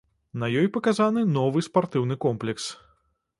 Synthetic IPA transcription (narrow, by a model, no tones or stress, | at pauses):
nɐjɔjpɐkazanɨnɔvɨspart̪ɨwnɨkɔmplʲɛks